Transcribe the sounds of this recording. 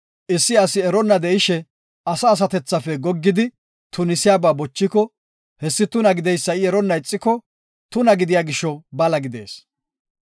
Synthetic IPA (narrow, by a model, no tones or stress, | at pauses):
ʔɪsːɪɐsɪɛɾɔnːɐd̪ɛʔɪʃɛ | ʔɐsɐːs̬ɐt̪ɛt͡sːɐfɛɡɔɡːɪd̪ɪ | t̪ʊnɪsɪjaːbaːbɔt͡ʃːɪkɔ | hɛsːɪt̪ʊnɐɡɪd̪ɛjsːɐɪɛɾɔnːɐɪt͡sʼːɪkɔ | t̪ʊnɐɡɪd̪ɪjaːɡɪʃːɔbɐlɐɡɪd̪e̞̰ːs